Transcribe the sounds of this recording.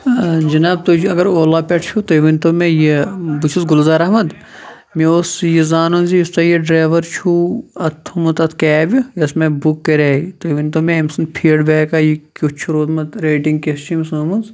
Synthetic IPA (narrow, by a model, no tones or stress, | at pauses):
d͡ʒɐnaːb̚t̪ot͡ʃʰɐɡɐɾoːlaːpʲeʈʰt͡ʃʰut̪oʋint̪omejebut͡ʃʰuzɡulzaːɾɐɦmɐd̪ | miosjizaːnɐnzijust̪ɐjiɖɾeːʋɐɾt͡ʃʰuɐt̪ʰːumɐt̪ɐt̪ʰkaːbʲujɐsmebukːeɾeːit̪oʋinʲt̪omeɐmsɐnpʰiːɖbeːkaːjikʲut͡ʃʰuɾoːt̪mɐt̪ɾeːʈiŋɡkest͡ʃʰimsmunz